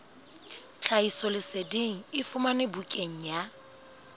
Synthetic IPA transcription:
t͡ɬʰaisɔlɪsediŋ̩ɪfʊmanɪbukʼeŋ̩ja

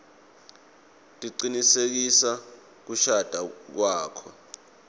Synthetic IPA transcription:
tʼiǀinisek̬isa | k̬uʃad̥ʱak̬waːkʰɔ

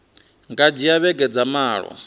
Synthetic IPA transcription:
ŋɡad͡ʒijaβɛɡɛd͡zamaːɺɔ̰

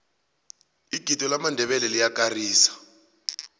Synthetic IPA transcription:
iɡ̥ʱitʼɔlamandʱɛɓɛlɛlijak̬ʼariːsḁ

